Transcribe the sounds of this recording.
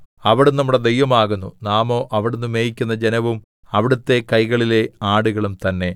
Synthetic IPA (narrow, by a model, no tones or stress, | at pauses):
ɐʋiɽunɐmːuɽe̞d̪ejʋɐmaːɣunːṵnaːmo̞ːʔɐʋiɽunːumeːjikʲːunːɐd͡ʑenɐʋum | ɐʋiɽut̪ːe̞kɐjɣɐɭile̞aːɽuɣɐɭumt̪ɐnːe̞